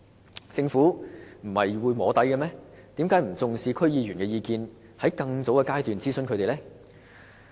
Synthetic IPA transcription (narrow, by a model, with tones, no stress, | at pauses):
t͡sɪ˧ŋfuː˨˥m̩˨˩hɐ˨jwuː˨˧jmɔː˨˧t̪ɐ˨˥jkɐ˧mɛː˥t̪iː˨˥mkaː˨˥jm̩˨˩t͡sʊ˨ŋsiː˧kʰɵ˥ɥjiː˧jyː˨˩nkɛː˧jiː˧kiː˧n | hɐ˨˥jkɐ˧ŋt͡so˨˥wkɛː˧kaː˥jt̪yː˨nt͡siː˥sɵ˧nkʰɵ˨˧t̪e˨lɛ˥